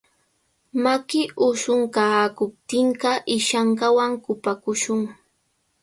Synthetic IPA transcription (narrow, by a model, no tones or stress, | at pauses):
makɪʔʊʃʊŋkakʊp̚t̪ɪɴɢɑʔɪʃaɴɢɑwaŋkʊpakʊʃʊŋ